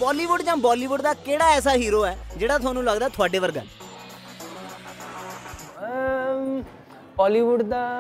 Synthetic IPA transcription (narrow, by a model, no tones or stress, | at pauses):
bɔːliːʋʊɖd͡ʒãːbaːliːʋʊɖd̪aːkeːɽaːɛːsaːɦiːɾoːɛːd͡ʒeːɽaːt̪ʰʊaːnũːləɡd̪aːt̪ʰʊaːɖeːʋəɾɡə̰l | bɔːliːʋʊɖd̪a